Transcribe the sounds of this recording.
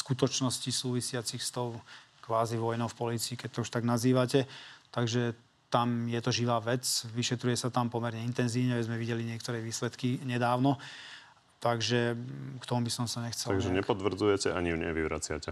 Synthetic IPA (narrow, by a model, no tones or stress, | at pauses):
skut̪ɔt͡ʃnɔscisuːʋisɪat͡sixst̪ɔʊ | kʋaːziʋɔjnɔʊfpɔliːt͡siːkɛc̚t̪ɔuʃt̪aɡnaziːʋacɛt̪aɡʒɛ | t̪amjɛt̪ɔʒiʋaːʋɛt͡sʋiʃɛt̪ɾujɛsat̪ampɔmɛɾɲɛint̪ɛnziːʊɲɛʋɛzmɛʋiɟɛliɲɪɛkt̪ɔɾɛːʋiːslɛt̪kiɲɛd̪aːʊnɔ | t̪aɡʒɛkt̪ɔmubisɔmsaɲɛxt͡sɛlaɡʒɛɲɛpɔt̪ʋr̩d͡zujɛcɛʔaɲiɲɛ̰ʋiʋɾa̰t͡sɪa̰cɛ